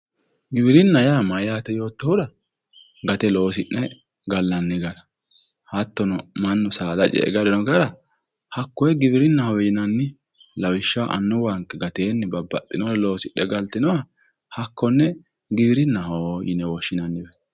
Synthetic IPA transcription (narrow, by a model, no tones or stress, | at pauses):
ɡɪbɪɾɪnːɐjamɐjaːt̪ɛjo̞ːt̪ːɔhʊɾɐ | ɡɐt̪ɛlo̞ːsɪʔːɛ | ɡɐlːɐnːɪɡɐnɐ | hɐt̪ːɔnɔmɐnːɔsaːd̪ɐt͡ʃʼɛ̰ʔɡɐɾɛnɔɡɐɾɐ | hɐkːɔjɛɡɪbɪɾɪnːɐhɐwjɪnɐnːɪ | lɐwɪʃːaʔɐ̰nːɔwaŋkːɛɡɐt̪e̞ːnːɪbɐbːɐt̪ʼːɪnɔɾɛlo̞ːsɪʔːɛɡɐlt̪ɪnɔɐ | hɐkːɔnːɛ | ɡɪbɪɾɪnːɐhojɪ̰nɛwɔʃːɪnɐnːɪbɛ